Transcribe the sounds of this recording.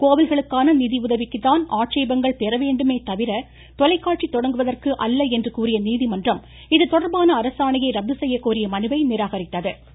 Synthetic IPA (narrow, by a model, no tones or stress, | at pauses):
koːʋɪlɣɐɭɯkːaːnɐniːðiʊðɐʋɪkːɯt̪ːaːnaːʈ̚t͡ʃɐjbɐŋɡɐɭpɛɾɐʋeːɳɖɯmeːt̪ɐʋɪɾɐ | t̪ɔlɐɪkːaːʈ̚t͡ʃit̪ːɔɽɐŋɡɯʋɐðɐrkɯʔɐlːɐɛndrɯkuːɾɪjɐniːðimɐndrɐm | ɪðɯt̪ɔɽɐɾbaːnɐːɾɐsaːɳɐjɐɪɾɐb̚d̪ːɯsɛjːɐkːuːɾɪjɐmɐnɯʋɐɪnɪɾaːɣɐɾɪt̪ːɐðɯ